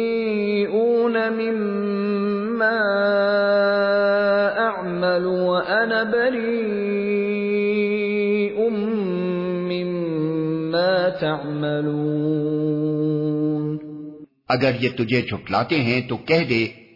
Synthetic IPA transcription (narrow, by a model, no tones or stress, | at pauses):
ʔuːnamɪmː | aː | ʔaʕmal | waʔanabɐɾiː | ʔʊmː | ɪmː | aːt̪aʕmaluː | n | ɐɡəɾjet̪ʊd͡ʒʱet͡ʃʰʊpla̰ːt̪eɦɛ̃t̪okɛɦd̪eː